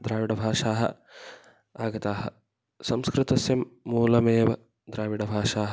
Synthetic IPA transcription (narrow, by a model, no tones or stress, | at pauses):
d̪ɾaːʋiɽɐbʱaːʃaːɦɐ̰̆ | aːɡɐt̪aːɦɐ | sɐmskɾɨt̪ɐsjɐmːuːlɐmeːʋɐ | d̪ɾaːʋiɽɐbʱaːʃaːɦɐ